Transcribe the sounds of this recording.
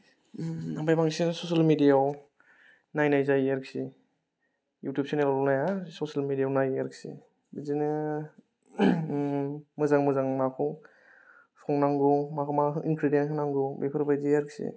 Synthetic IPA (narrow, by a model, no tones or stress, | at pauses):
abajbaŋsinsosalmidijaw | najnajzajaɾksi | jutjup̚sinelalɔnajasosalmidijawnajaɾksḭ | bizinɯ | mɯzaŋmɯzaŋmakʰɔ | sʰɔŋnaŋɡumakʰmaɦɯinkʰɾidenhʰɯnaŋɡubepʰɯɾbajzijaɾksḭ